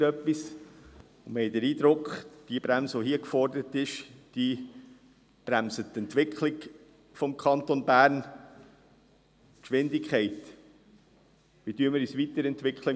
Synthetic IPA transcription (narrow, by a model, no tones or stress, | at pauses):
œpːis | ʊmɛɪdəɾiːd̥̪ɾʊkχd̥iəb̥ɾæmsəʋɔɦiəkfɔɾdəɾət̪ɪʃd̥i | b̥ɾæmsət̪ɛntʋɪkχʰlɪk | fɔmkʰɑnt̪onbæːɾn | kʃʋɪndɪkχɛɪt | ʋidyəməɾysʋitəɾɛntʋɪkχlə